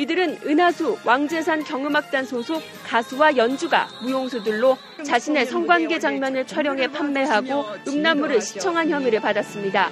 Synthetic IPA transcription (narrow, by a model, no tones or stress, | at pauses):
idɯɾɯnɯnɦasʰuwaŋd͡ʑe̞sʰankjʌŋɯmak̚t͈ansʰosʰok | k͈asʰuwajʌnd͡ʑuɡa̰mujoŋsʰudɯɭːo | t͡ɕaɕʰine̞sʰʌŋɡwanɡe̞d͡ʑaŋmjʌnɯɭt͡ɕʰwaɾjʌŋɦe̞pʰamːe̞ɦaɡoɯmnamːuɾɯɭɕʰi̥t͡ɕʰʌŋɦançjʌmiɾɯɭpadas͈ɯmɲida